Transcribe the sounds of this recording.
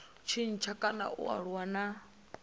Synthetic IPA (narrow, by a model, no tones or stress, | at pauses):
t͡ʃʰinit͡ʃʰakʼana̰ʔṵa̰ɺwana